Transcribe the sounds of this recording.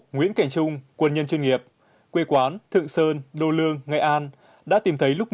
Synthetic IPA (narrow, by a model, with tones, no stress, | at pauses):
ŋwḭ˧˥ənka˧˩jŋ̟t͡ɕʊ˧ŋ͡mkwə˧nɲə˧nt͡ɕwi˧ŋi˨˩əp̚ | kwe˧kwaː˨˦nt̪ʰɨ̰˧˨əŋsəː˧nɗo˧˩lɨ˧əŋːa̰˨˩˨jʔaː˧n | ɗa̰ː˧˥t̪i˨˩mt̪ʰə˨˦jlʊ˦˥k͡p̚